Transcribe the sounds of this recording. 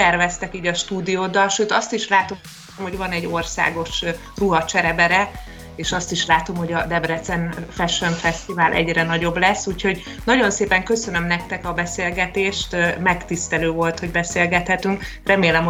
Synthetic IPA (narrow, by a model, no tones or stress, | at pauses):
tɛrvɛst̪ɛkiːɟɒʃt̪uːd̪ijoːd̪ɒlʃøːt̪ɒst̪iʃlaːt̪o | mho̞ɟvɒnɛɟːo̞rsa̰ːɡo̞ʃ | ruɦɒt͡ʃɛɾɛbɛɾɛ | eːʃɒst̪iʃlaːt̪o̞mho̞ɟɒd̪ɛbrɛt̪sɛnfɛʃønfɛst̪ivaːlʔɛ̰ɟrɛnɒɟo̞blɛsːuːcho̞ɟ | nɒɟo̞nseːpɛŋkø̞sønø̞mnɛkt̪ɛkɒbɛseːlɡɛt̪eːʃt̪mɛkt̪ist̪ɛløːvo̞lt̪ho̞ɟbɛseːlɡɛt̪hɛt̪yŋkrɛmeːlɛm